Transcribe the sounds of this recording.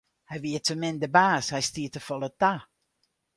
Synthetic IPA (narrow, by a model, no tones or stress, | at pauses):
hɛjʋiətʰəmɪndəbaːshɛjstiətəfɔlˠəta